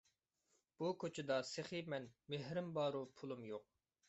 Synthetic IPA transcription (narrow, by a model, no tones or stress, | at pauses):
b̥ukʰʲøt͡ʃʰɪd̪ɑseχimɛnmeɦɾɪmbɑːɾupʰulˠumjoq̚